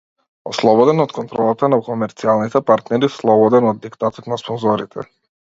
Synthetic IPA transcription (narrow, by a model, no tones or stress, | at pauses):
ɔ̰slˠɔbɔd̪ɛnɔt̪kɔnt̪ɾɔlˠat̪anakɔmɛɾt̪sialˠnit̪ɛpaɾt̪nɛɾislˠɔbɔd̪ɛnɔd̪ːikt̪at̪ɔt̪naspɔnzɔɾit̪ʰɛ̰